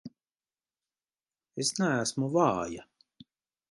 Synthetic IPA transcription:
esnææsmuvɑːja

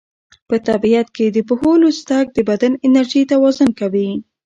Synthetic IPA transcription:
pət̪abijat̪ked̪əpʊholost̪ak̚d̪əbad̪anɪnaɾʒid̪awɑzʊnkawi

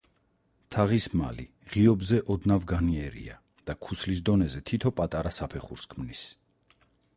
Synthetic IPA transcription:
t̪ʰaʁisma̰li | ʁiɔbzɛʔɔd̪navɡaniɛɾḭa̰ | d̪̥akʰuslis̬d̪ɔnɛzɛt̪ʰit̪ʰɔpʼat̪ʼaɾasapʰɛχṵɾskʰmnis

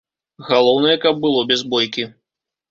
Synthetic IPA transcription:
ɣalˠɔwnɐjɛkɐb̚ːɨlˠɔbʲɛzbɔjkʲi

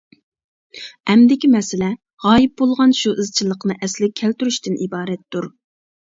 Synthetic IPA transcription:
ɛmd̪ɪkʲimɛsɪlɛ | ʁɑːjip̚bolˠʁɑnʃuʔɨzt͡ʃʰilˠəqnɨʔɛslɪkʲʰɛlt̪yɾyʃt̪ɪnʔibɑːɾɛt̪ːuɾ

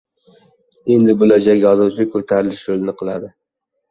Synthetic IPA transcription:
e̞nd̪ɪbʊlad͡ʒaɡʲjɒzuwt͡ʃʰɪkʰɵt̪ʰaɾɪlɪʃjolˠnɪqʰɨlˠad̪ɪ

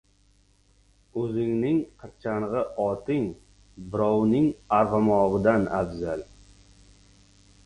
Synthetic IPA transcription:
ɵzɪŋnɪŋqʰɨɾt͡ʃʰanʁɨʔɒt̪ʰɪŋ | bɪɾɒwnɪŋaɾʁɑmɒʁɨd̪anabzal

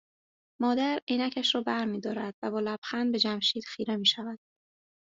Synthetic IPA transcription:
mɒːd̪æɾiːnæcʰæʃɾɒːbæɾmiːd̪ɒːɾæd̪̥væbɒːlæb̥xænbe̞d͡ʒæmʃiːd̪̥xiːɾemiːʃævæd̪̥

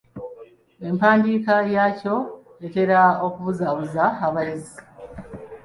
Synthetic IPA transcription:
e̞mpaːndiːkajaːco̞ | ete̞ɾao̞kuβuzaβuzaaβajezi

